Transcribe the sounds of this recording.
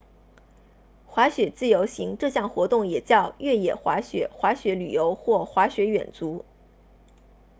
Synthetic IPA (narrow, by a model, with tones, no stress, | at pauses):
xwa˧˥ɕɥɛ˨˩t͡sɹ̩˥˩jo˧˥ʊɕi˧˥ŋʈ͡ʂɤ˥˧ɕjɑ˥˩ŋxwɔ˧˥t̪ʊ˥˩ŋjɛ˨˩t͡ɕjɑ˥˧ʊɥɛ˥˩jɛ˨˩xwa˧˥ɕɥɛ̰˨˩˦xwa˧˥ɕɥɛ˧˥ly˨˩jo˧˥ʊxwɔ˥˩xwa˧˥ɕɥɛ˧˥ɥɛ̰˨˩nt͡su˧˥